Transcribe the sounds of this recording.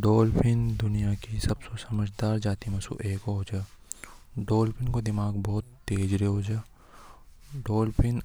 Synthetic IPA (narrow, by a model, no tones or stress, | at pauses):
ɖoːlpʰɪnd̪ʊnijakisɐbsosɐməd͡ʒʱd̪aːɾd͡ʒaːt̪imɐsṵʔeːkɦoɦoːd͡ʒaː | ɖoːlpʰɪnkod̪ɪmaːɡbɔːt̪ːeːd͡ʒɾeɦod͡ʒaː | ɖoːlpʰɪn